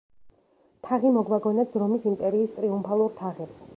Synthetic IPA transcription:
t̪ʰaʁimɔɡwaɡɔnat̪zɾɔmisimpʼɛɾiːst̪ʼɾiumpʰalˠuɾt̪ʰaʁɛps

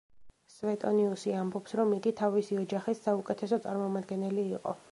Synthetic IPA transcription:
svɛt̪ʼɔniusiambɔpsɾɔmːid̪it̪ʰavisiɔd͡ʒaχisːaukʼɛt̪ʰɛsɔt̪sʼa̰ɾmɔmad̪ɡɛnɛliːqʼɔ̰

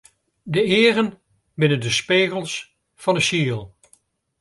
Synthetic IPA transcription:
dəɪːrən | bɪnəndəspeːɣəlˠs | fɑnəʃiəlˠ

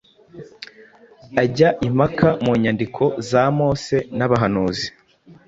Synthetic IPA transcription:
aɟaʔimakamuːɲandikʰo̞zamo̞ːse̞naβaɦanuːzi̥

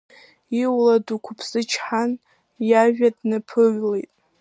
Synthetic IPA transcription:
iwladukʷʰʊpʰsɨt͡ʃʰħan | jaʒᶣadnɨpʰɨʕlejtʼ

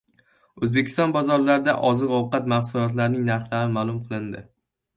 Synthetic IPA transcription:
ɵzbekʲʰɪ̥st̪ɒnbɒzɒɾlaɾɪd̪aʔɒzɨqɒwqɑt̪mahsʊlɒt̪̬laɾnɪŋnaɾχlaɾɪmaːlˠʊmqʰɨlˠɪnd̪ɪ

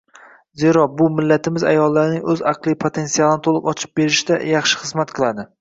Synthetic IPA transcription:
ze̞ɾɒbʊmɪlːat̪ʰɪmɪza̰jɒlˠːaɾɪnɪŋɵzɑqlˠijpʰot̪ʰe̞nsialˠɪnɪt̪ʰolˠɨ̰qɒt͡ʃʰɪ̥p̚be̞ɾɪʃɪd̪a̰jɑχʃɪ̥χɨzmat̪qʰɨlˠad̪ɪ

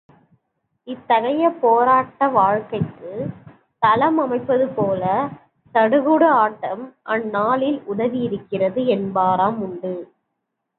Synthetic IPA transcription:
ɪt̪ːɐɣɐjɐpoːɾaːʈːɐʋaːɻkɐɪkːɯ | t̪ɐlɐmɐmɐɪpːɐðɯpoːlɐ | t̪ɐɽɯɣɯɽɐaːʈːɐmʔɐnːaːlɪlʊɽɐʋijɪɾɯkːɪrɐðɯɛnbaːɾaːmʊɳɖɯ

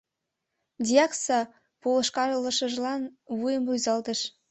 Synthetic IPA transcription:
d̪ʲiɑksɑ | polˠə̆ʃkɑɾəlˠːə̆ʃə̆ʒlˠɑnvujəmbujzɑlˠd̪ə̆ʃ

